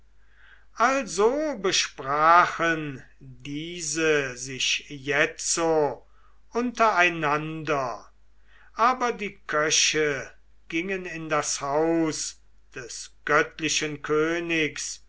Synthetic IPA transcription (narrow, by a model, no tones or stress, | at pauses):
ʔalzobəʃpʁaːχən | diːzəzɪʃjɛt͡so | ʔʊntɐaɪnandɐ | ʔaːbɐdiːkʰœʃə | ɡ̥ɪŋənɪndashaʊs | d̥ɛsɡ̥œtlɪʃənkʰøːnɪks